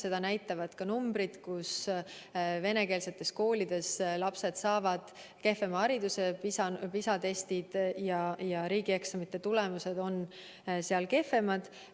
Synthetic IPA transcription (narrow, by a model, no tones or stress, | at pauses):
se̞d̪̥ɑnæjt̪ːˑɑvɑd̪̥kɑnumbɾid̪̥kus | ve̞ne̞ke̞ːlse̞t̪ːˑe̞sko̞ːlʲid̪̥e̞slɑpse̞d̪̥sɑːvɑd̪̥ | ke̞fe̞mɑɑɾid̪̥use̞pisɑpisɑt̪e̞st̪id̪̥jɑjɑɾiːɡ̥ie̞ksɑmit̪ːˑe̞t̪ule̞muse̞d̪̥o̞n | seɑlke̞fe̞mɑd̪̥